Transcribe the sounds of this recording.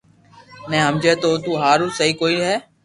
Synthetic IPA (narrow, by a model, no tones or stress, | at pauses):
nɛ̃ːɦəmd͡ʒeːt̪oːt̪uːɦaːɾuːsəɦiːkoːiːɦɛː